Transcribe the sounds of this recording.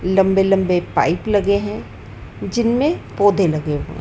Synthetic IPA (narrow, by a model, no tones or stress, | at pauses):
lɐ̃mbelɐ̃mbepa̰ːɪplɐɡeɦɛ̃ | d͡ʒɪnmẽpoːd̪ʱelɐɡeɦõ̰